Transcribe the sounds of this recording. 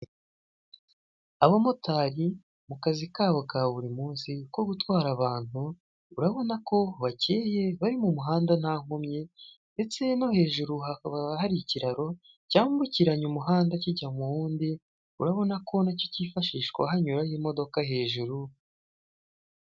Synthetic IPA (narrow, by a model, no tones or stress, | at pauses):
aβomo̞tʰaːɾi | mukazikaːβokaβuɾimuːnsiko̞ɡutwaːɾaβaːn̥u | uɾaβo̞nako̞βaceːje̞βaɾimumuɦaːndan̥haːŋomɲe̞ | nde̞t͡se̞no̞he̞ːʒuɾuaβahaɾiciɾaɾo̞ | caːŋbuciɾaɲumuɦaːndaciɟamuhuːndi | uɾaβo̞nakʰo̞nacocifaʃiːʃkwa̰ɦaɲuɾajimo̞do̞kaɦe̞ːʒuɾu